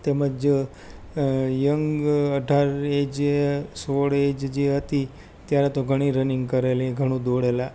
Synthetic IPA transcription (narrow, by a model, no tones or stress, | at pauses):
t̪eməd͡ʒ | jəŋɡəɖʱaɾed͡ʒesoɽed͡ʒd͡ʒeɦət̪i | t̪jaɾet̪oɡʱəɽ̃iɾəniŋɡkəɾeliɡʱəɽ̃ũd̪oɽela